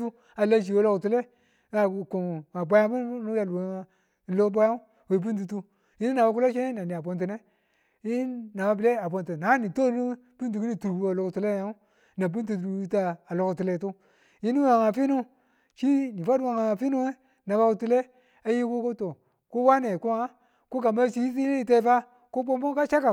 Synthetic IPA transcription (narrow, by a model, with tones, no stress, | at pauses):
u˦ | a˨la˦ʃ̬i˨wo˦lo˦ktu˨le˦ | a˨ko˨ŋa˨ba˨˦ja˦mu˦nu˦ja˨l | lo˦ba˦ja˦u˦ | we˨b̬i˦nt̬u˨tu˦ | ji˦ni˦na˨ba˨˦ku˦lo˦ʃe˦e˦na˨ni˨a˨bo˨nt̬i˨ne˦ | jiː˦a˨ba˦bi˨le˦a˨bo˨ntu˨na˨˦ni˨to˦u˦ | pi˦nt̬u˨ki˦ni˦tu˨ɾɡu˦a˨lo˨ktu˦le˦a˦u˦ | na˨b̬u˦ntu˨ɾu˨i˦ta˦a˨lo˨ktu˨le˨tu˦ | ji˦ni˦wa˨ŋa˨fi˦nu˦ | t͡ʃi˦ni˨fa˦dwa˨ŋa˨a˨fi˦nu˦e˦ | na˨ba˦u˨tu˦le˦ | a˨ji˦ku˦ku˦to˨ | ku˦wa˦ne˨ku˦a˦ | ku˦ka˨ma˦t͡ʃi˦ji˦s̬i˦e˦i˨te˦fa˦ | ku˦bo˦bu˦ka˦t͡ʃa˦ka˨